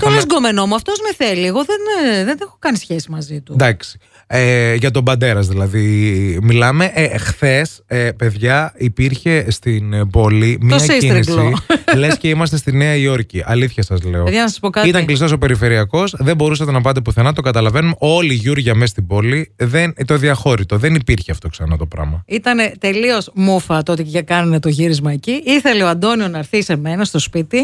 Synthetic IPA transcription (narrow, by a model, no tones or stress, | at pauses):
t̪olezɡome̞no̞muɐft̪ozmeθelieɣo̞ðenðenexokɐnisçesimɐzit̪ud̪ɐksi̥ | eʝɐt̪o̞bɐnd̪e̞ɾɐzðilɐðimilɐme̞ʔxθe̞spe̞ðʝɐipiɾçe̞st̪inbo̞limioɐsesiɾiɡlsloilesce̞imɐst̪est̪ineɐio̞ɾciʔɐliθçɐsɐzle̞oeðjɐnɐsɐ̥spo̞kɐit̪ɐŋklist̪o̞sope̞ɾife̞ɾiɐko̞sðe̞bo̞ɾusɐt̪e̞nɐpɐt̪̬epuθenɐt̪o̞ɡɐt̪ɐlɐve̞nuno̞liʝuɾʝɐmest̪ibo̞liðent̪o̞ðiɐxo̞ɾit̪o̞ðe̞nipiɾçeɐft̪o̞ksɐnɐt̪o̞pɾɐ̰mɐit̪ɐne̞t̪e̞lio̞smufɐt̪oot̪iʝɐkɐnɐnet̪o̞ʝiɾizmɐeciiθe̞le̞oɐnd̪o̞nionɐɾθise̞me̞nɐst̪o̞spit̪i